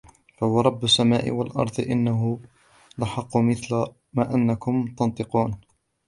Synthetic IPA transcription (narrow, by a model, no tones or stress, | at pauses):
fahʊwɑɾˤɑbːʊsːamaːʔɪ̰walʔɑ̰ɾˤd̪ˤɨʔɪnːaɦʊ | laħɑqːʊmɪθla | maːʔanːakʊmt̪ɑnt̪ˤɨquːn